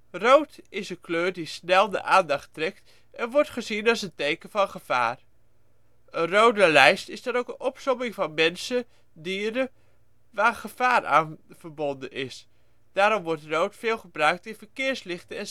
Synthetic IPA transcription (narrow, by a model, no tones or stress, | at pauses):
rowtɪsənkløːɹdisnɛlˠdə̰ʔaːndɑχtrɛk̚t | ɛnʋɔɹtχəzinɑsəntejkəvɑnχəv̥a̰ːr | ənrowdəlɛjstɪzdɑnowkənʔɔpsɔmɪŋvɑnmɛnsə | diːɾə | ʋaːrχəv̥aːra̰ːnv̥əɹbɔndənɪs | d̥aːɾɔmʋɔɹtrowtfɪːlˠχəbrœɥk̚tɪnvəɹkɪːɹslɪχtəɛn